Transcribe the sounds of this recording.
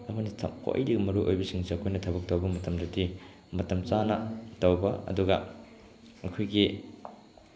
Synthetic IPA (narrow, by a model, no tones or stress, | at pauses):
ɐmɐnitʰɐ̰kʰo̰jdiɡɐmɐɾuʔojbɐsiŋsiɐkʰojnɐtʰɐbɐk̚tɐwbɐmɐtɐmdɐdi | mɐtɐmt͡ʃanɐtowbɐɐ̰duɡɐ | ɐkʰojɡi